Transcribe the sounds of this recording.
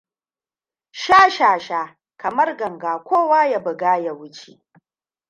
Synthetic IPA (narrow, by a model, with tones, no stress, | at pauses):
ʃaː˦ʃaː˨ʃaː˦ | kɐ˨mɐ˦rɡɐ˨ŋɡaː˨kʷoː˦waː˦ja˨bɐ˨ɡaː˦ja˨wʊ˦t͡ʃḛ˨